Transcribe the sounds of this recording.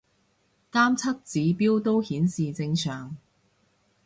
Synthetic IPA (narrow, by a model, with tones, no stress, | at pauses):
t̪aː˥mt͡sʰɐ˥t̚t͡siː˨˧piː˥wt̪o˥whiː˨˥nsiː˨t͡sɪ˧ŋsœː˨˩ŋ